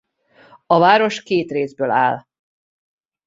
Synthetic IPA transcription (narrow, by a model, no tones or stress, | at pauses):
ɒvaːɾo̞ʃkeːt̪reːzbøːla̰ːl